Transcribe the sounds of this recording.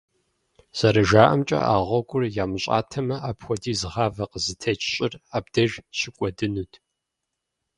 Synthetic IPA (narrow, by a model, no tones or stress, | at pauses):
z̥ɐɾɐʒaːʔɐmt͡ʃʼɐ̰ʔaːʁʷɔɡʷʊrjaːmɨɕʼa̰ːtʰɐmɐʔaːpxʷɔdiːzɨʁɑːvɐqəzɨtʰɐt͡ʃʼɕʼɪraːb̚dɐʒɕɪkʷʼɔdɨnuːtʰ